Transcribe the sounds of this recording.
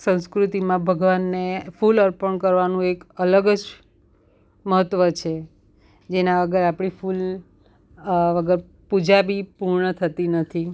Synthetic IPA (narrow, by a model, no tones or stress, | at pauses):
sə̃ñskɾut̪imãbʱəɡʋanːefuləɾpəɳkəɾʋanũekələɡəd͡ʒ | məɦət̪ːʋət͡ʃʰe | d͡ʒenãʋəɡəɾapɽ̃iful | ʋəɡəɾ | pud͡ʒabipuɾɳət̪ʰət̪inət̪ʰi